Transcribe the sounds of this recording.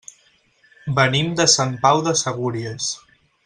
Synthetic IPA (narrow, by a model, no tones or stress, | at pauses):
bənimd̪əsampawðəsəɣ̞uɾiəs